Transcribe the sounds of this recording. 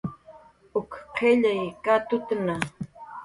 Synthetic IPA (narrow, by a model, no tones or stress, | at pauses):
ʊkqʰeʎajkat̪ʊt̪na